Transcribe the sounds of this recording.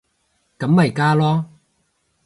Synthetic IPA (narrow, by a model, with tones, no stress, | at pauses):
kɐ˨˥mːɐ˨˩jkaː˥lɔː˦˥